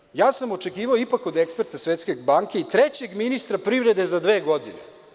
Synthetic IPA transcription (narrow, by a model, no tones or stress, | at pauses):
jaːsamo̞t͡ʃe̞kiːʋaoipako̞d̪ekspeɾt̪asʋet̪ske̞baŋke̞it̪ɾet͡ɕe̞ɡminist̪ɾapɾivɾe̞d̪e̞zad̪ʋeːɡo̞d̪inḛ